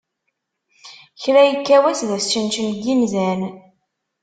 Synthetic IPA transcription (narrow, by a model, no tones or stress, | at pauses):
çɾæjəkːæwæsðæst͡ʃənt͡ʃənɡinzæn